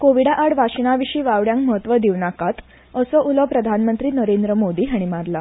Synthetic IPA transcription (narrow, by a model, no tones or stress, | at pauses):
koʋiɽaʔaɽʋaɕinaʋiɕiːʋaʋɽjãŋkməɦət̪ʋəd̪iʋnakat̪ | əsɔʔulɔpɾəd̪ʱanmənt̪ɾiːnəɾend̪ɾəmod̪iːɦaɽ̃imaɾla